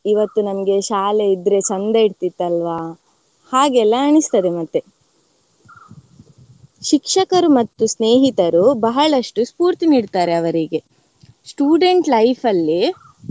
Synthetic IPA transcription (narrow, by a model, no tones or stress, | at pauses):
iʋɐt̪ːunɐmɐɡe̞ʃaːle̞id̪ɾe̞sɐnd̪ɐiɽt̪it̪ːɐlʋaː | haːɡɛlːɐːɳist̪ɐd̪e̞mɐt̪ːe | ʃikʂɐkɐɾumɐt̪ːusneːɦit̪ɐɾubɐɦɐɭɐʂʈuspuːɾt̪iniːɖt̪aːɾe̞ɐʋɐɾiɡe̞ | sʈuːɖeɳʈlɐjpʰɐlːi